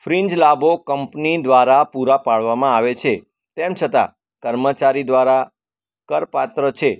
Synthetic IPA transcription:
fɾiɲd͡ʒlabokəmpnid̪ʋaɾapuɾapaɭʋamãaʋet͡ʃʰe | t̪emt͡ʃʰət̪a̰ | kəɾmət͡ʃaɾid̪ʋaɾa | kəɾpat̪ɾət͡ʃʰe

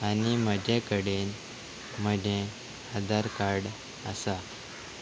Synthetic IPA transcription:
animəd͡ʑekəɽen | m̤əd͡ʑẽ | ad̪aɾkaɾɽ | əsa

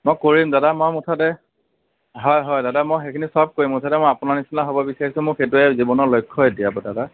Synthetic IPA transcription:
mɔjkoɹimdadamɔjmutʰatɛ | ɦɔjɦɔjdadamɔjxekʰinisɔb̚koɹimʊtʰatɛmɔjapʊnanisinaɦobɔbisaɹisʊ̃mʊɹxet̬uɛzibɔnɔɹlojkʰːɔediabɔdada

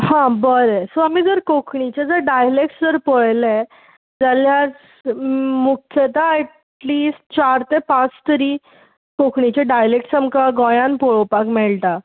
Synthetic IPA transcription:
hãbəɾesoamiːd͡zəɾkokʰɳit͡ɕed͡zəɾɖajlek̚ʈsd͡zəɾpəɭle | d͡zaljat͡s | mukʰjət̪aːʈʈlisʈ̚t͡ɕaɾt̪epãt͡st̪əɾi | kokʰɳit͡ɕeɖajlek̚ʈsəmkaɡɔ̃jãnpɔɭpakmɛɭt̪a

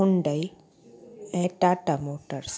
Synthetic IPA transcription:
uɳɖəj | ɛ̃ʈaʈamoʈəɾs

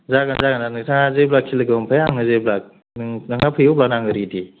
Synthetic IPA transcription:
zaɡanzaɡandanɯksaazeblakʰːilɯɡɯmpʰajaŋɯzejblak̚ | nnaŋapʰɯjoblak̚naŋɡɯɾidi

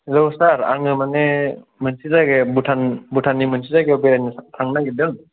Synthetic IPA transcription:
lɯwsaɾa̰ŋɯmanemɯnsizaɡebutʰanbutʰanːimɯnsizaɡebeɾajnɯtʰaŋnaɡedɯŋ

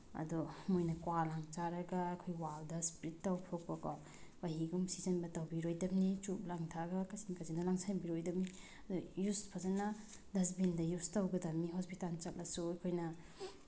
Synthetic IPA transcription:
ɐ̰dumojnɐkwalaŋt͡ʃaɾɐɡaːjkʰojwawdɐspɾitːawpʰok̚pɐɡa | baɦiɡumsizɐnbɐtawbiɾojdɐbnit͡ʃup̚laŋtʰaɡɐkɐsinkasindɐlaŋsanbiɾojdɐb̚ni | ɐdujuspʰazanɐ | dɐs̬bindɐjustawɡɐdɐmniɦospitalt͡ʃɐk̚lasuajkʰojnɐ

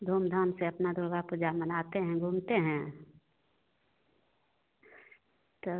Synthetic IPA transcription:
d̪ʱoːmd̪ʱaːmseɐpnad̪ʱʊɾɡapʊd͡ʒamənaːt̪eɦɛ̃ɡʱuːmt̪eɦɛ̃ː | t̪o

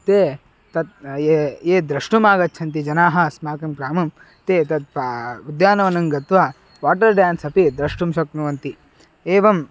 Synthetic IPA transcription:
t̪eː | t̪ɐt̪̚eeːd̪ɾɐʂʈumaːɡɐt̪ːt͡ʃʰɐnt̪̬id͡ʒɐnaːɦɐsmaːkɐmkɾaːmɐm | t̪eːt̪ɐt̪̚pːud̪jaːnɐʋɐnɐŋɡɐt̪ʋaː | ʋaːʈɐɾɖjaːnsɐpid̪ɾɐʂʈumsɐk̚nuʋɐnt̪i | eːʋɐm

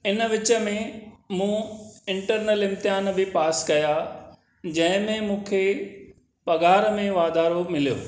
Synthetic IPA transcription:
ɪnəʋɪt͡ɕə̆mẽmũːɪ̃ɳʈəɾnəlɪ̃mt̪ɪɦaːnbɪpaːskɐja | d͡ʑɐ̃ɦɪ̃mẽmũːkʰe | pɐɡaːɾəmẽʋaːd̪aːɾomɪlijo̰ː

